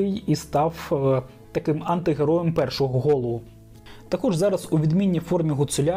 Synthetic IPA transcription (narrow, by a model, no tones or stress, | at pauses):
ɪjist̪ɑw | t̪ɐkɪmɐnt̪ɪɦeɾɔjempɛrʃɔɦɔɦɔlˠɔʊ | t̪ɐkɔʒzɑɾɐzuʋʲid̪mʲinʲːifɔrmʲiɦʊt̪sʊlʲa